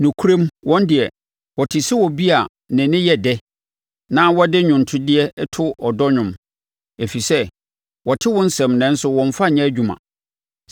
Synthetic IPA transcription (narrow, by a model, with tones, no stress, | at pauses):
nʊ̃˨kʰu˦ɾẽ˦mwʔɔ̃˦ndɪ˨ɛ˨ | wɔ˨tʰɪ˨sɪ˦wɔ˨bi˦a˨ | nɪ̃˨nɪ̃˦jɛ˨dɛ˦ | nã˦wɔ˦dɪ˦ɲᶣʊ̃˨n̩˨tʰʊ˦dɪ˦ɛ˦tʰʊ˦ɔ˨dɔ˦ɲʊ̃˨m | e˨fi˨sɛ˦ | wɔ˨tʰɪ˦wɔ̃˦n̩˦sɛ̃˨mnɛ̃˨n̩˦sʊ˦wɔ̃˨ɱ˨fa˦˨ɲɛ̃˦æ˦d͡ʑᶣu˨mã̰˨